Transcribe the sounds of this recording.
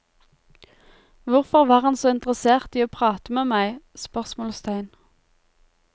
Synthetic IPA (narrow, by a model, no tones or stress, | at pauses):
ʋʊʁfɔʁʋɑːʁɑnsoːɪnt̪ʁəseːʁt̪iːoːpʰʁɑːt̪əmeːmæɪspœʁsmoːlst̪ʰæɪn